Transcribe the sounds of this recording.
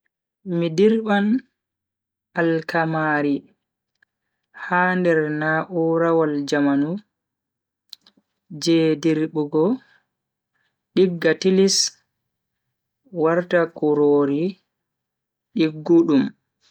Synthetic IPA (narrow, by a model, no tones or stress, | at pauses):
midiɾɓan | alkamaːɾi | haːndɛɾnaʔuɾawald͡ʒamanu | d͡ʒɛdiɾɓuɡɔ | ɗiɡːatilis | waɾtakuɾoːɾi | ɗiɡːuɗum